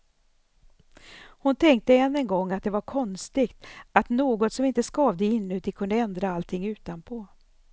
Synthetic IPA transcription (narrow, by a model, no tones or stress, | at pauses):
hʊnt̪ʰɛŋk̚t̪əɛnːɛnɡɔŋːat̪̚d̪ɛvaɾkʰɔnst̪ɪɡt̪at̪noːɡɔt̪sɔmɪnt̪əskɑːvd̪əɪnːɵt̪ɪkʰɵnd̪əɛnd̪ɾaalt̪ʰɪŋːʉ̟ːt̪anpʰo